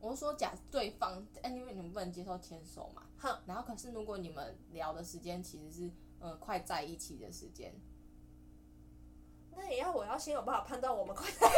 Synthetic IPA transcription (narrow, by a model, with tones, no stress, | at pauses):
wɔ˨˩˥ʂwɔ˦t͡ɕja̰˨˩t̪we˥˧ɪfɑ˥˨ŋ˦ɛ˥ni˧wni˨mə˨pə˥˩ə˨˩t͡ɕjɛ˥ʂo˥˩ʊt̪ʰjɛ˦nʂo̰˨˩ʊma̰˨hna˨˧nxo˥˩ʊkʰɤ˨˩ʂɻ̩˥˩ɻu˧˥kwɔ˨˦ni˨˩mə̰˦nljɑ˧˦ʊd̪ə˨ʂɻ̩˧˦t͡ɕjɛ˦nt͡ɕʰi˧˥ʂɻ̩˧˦ʂɻ̩˥˩ | ʔə˨kʰwa˥˧ɪt͡sa˥˧ɪi˥˩t͡ɕʰḭ˨˩d̪ə̰˩ʂɻ̩˧˦t͡ɕjɛ̰˦˥n | na˥˩˨jɛ˨˩˦jʊwɔ˨˩jɑ˥˩ʊɕjɛ˥njpa˥˩˨pʰa˥˧nt̪ɑ˥˩ʊwɔ˨˩mə˨˦nkʰwa˥ɪt͡sa˥˩ɪ